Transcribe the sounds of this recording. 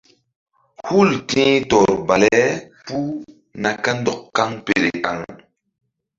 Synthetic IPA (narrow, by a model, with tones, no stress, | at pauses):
hu˦˨ltĩ˦tɔ˨ɾba˨lɛ˦ | pu˦ | na˨ka˦ndɔ˨kːa˦ŋpḛ˨ɾe˨ka̰˨ŋ